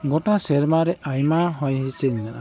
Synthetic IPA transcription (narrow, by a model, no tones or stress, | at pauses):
ɡɔtasɛɾmaɾɛajmaɦɔjɦisɛnnana̰